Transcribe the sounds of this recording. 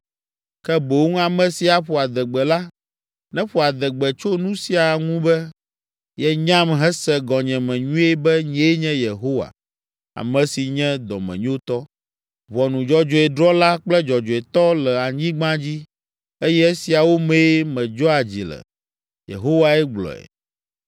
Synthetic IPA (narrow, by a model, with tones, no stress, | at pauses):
kɛ˦bo˨wŋũ˦a˨mɛ̃˨si˨a˨ɸo˨a˨d̪ɛ˨ɡ͡bɛ˨la˦ | nɛ̃˦ɸo˨a˨d̪ɛ˨ɡ͡bɛ˨t͡ʃo˦nũ˦si˨a˨ŋũ˦bɛ˦ | jɛ˦ɲã˦mɦɛ˦sɛ˦ɡɔ̃˨ɲɛ̃˨mɛ̃˨ɲũ˦e˦bɛ˦ɲɛ̃˦ɲɛ̃˦je˨ɦo˦wa̰˨ | a̰˨mɛ̃˨si˨ɲɛ̃˦d̪ɔ̰˨mɛ̰̃˨ɲũ˦o˦t̪ɔ˦ | βɔ˨nũ˨d͡ʒɔ˦d͡ʒɔ˨ɛ˨ɖɾɔ˦la˦k͡plɛ˦d͡ʒɔ˨d͡ʒɔ˨ɛ˨t̪ɔ˦lɛ˨a˨ɲĩ˦ɡ͡bã˦d͡ʑi˦ | e˦jɛ˦e˦si˨a˨wo˦mɛ˦mɛ̃˨d͡ʒɔ˦a˨d͡ʑḭ˨lɛ̰˨ | jḛ˨ɦo˦wa˨ɛ˦ɡ͡blɔ̰˨ɛ̰˨